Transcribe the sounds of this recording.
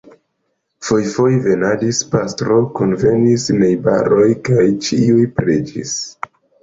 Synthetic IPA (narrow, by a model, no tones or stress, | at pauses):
fojfo̞jve̞nadispastɾo̞kunve̞nisne̞jba̰ɾʔo̞jkajt͡ʃiujpɾed͡ʒḭs